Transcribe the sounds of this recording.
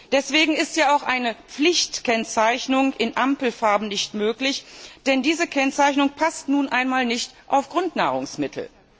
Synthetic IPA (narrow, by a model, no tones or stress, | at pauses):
d̥ɛsv̥eːɡŋ̩ɪstjaːaʊxʔaɪnəp͡flɪçtkɛnt͡saɪçnʊŋʔɪnʔampl̩faɐbm̩nɪçtmøːklɪçd̥ɛndiːzəkʰɛnt͡saɪçnʊŋpʰastnuːnʔaɪnmaːlnɪçtʔa̰ʊfɡ̥ʁʊntna̰ːʁ̞ʊ̰ŋsmɪtʰl̩